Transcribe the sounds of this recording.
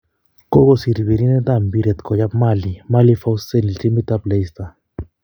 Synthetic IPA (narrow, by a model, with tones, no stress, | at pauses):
ko˦ko˨si˨ɾi˨βi˨ɾi˦ne˦t̪a˦˨mbi˦ɾe˨t̪kɔ˨ja˦ma˦˨li˨ma˦li˦fa˦wse˦˨ni˨lti˦mbi˦t̪a˦ple˦ist̪a˨